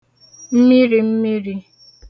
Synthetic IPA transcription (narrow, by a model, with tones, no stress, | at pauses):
m̩˦mi˦ɾi˨m̩˦mi˦ɾi˦